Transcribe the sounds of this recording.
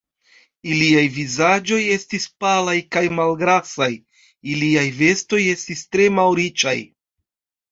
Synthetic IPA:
iliajvizad͡ʒo̞je̞stispalajkajmalɡɾasaj | iliajve̞sto̞je̞stistɾe̞mawɾit͡ʃa̰j

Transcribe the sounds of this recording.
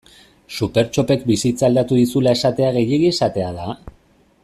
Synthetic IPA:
supe̞ɾt͡ʃo̞pe̞kbisit͡saːld̪at̪uðisulae̞sat̪e̞aɣ̞e̞je̞ɣiesat̪e̞aða

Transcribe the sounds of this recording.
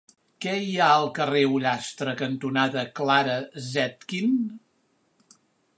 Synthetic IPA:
kɛiaəlˠkəreuʎast̪ɾəkənt̪unaðəklaɾəzɛt̪kin

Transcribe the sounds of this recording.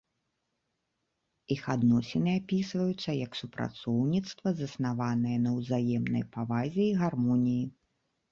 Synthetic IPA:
ixad̪nɔsʲɛnɨapʲisvɐjut̪sːɐjɐksupɾa̰t̪sɔwnʲit̪st̪vɐzɐsnavanɨjɛnɐwzajɛmnɐ̰jpavazʲɛiɣarmɔnʲiji

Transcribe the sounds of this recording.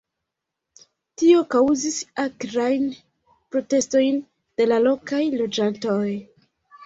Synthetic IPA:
tio̞kawzisakɾajn | pɾo̞te̞sto̞jn | d̥e̞lalo̞kajlo̞d͡ʒanto̞j

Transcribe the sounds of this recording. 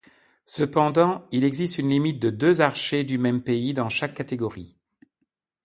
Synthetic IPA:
səpɑ̃d̪ɑ̃ilɛɡzist̪ynlimit̪̚d̪əd̪øzaʁʃed̪ymɛmpeid̪ɑ̃ʃakːat̪eɡɔʁi

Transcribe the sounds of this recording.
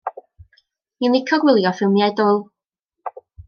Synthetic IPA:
inlˠɪkʰɔɡwɪlˠjɔfɪlˠmjɛdʊlˠ

